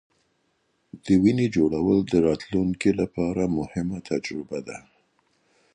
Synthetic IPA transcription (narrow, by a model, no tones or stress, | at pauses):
d̪̥əwined͡ʒoɽawəld̪əɾɑt̪luŋkilapɑɾamʊhɪmat̪ʰad͡ʒɾɪbad̪a̰